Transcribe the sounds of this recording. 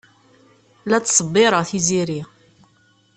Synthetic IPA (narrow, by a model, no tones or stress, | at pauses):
læt͡sːsˤəbːɪɾˤəʁθiziɾi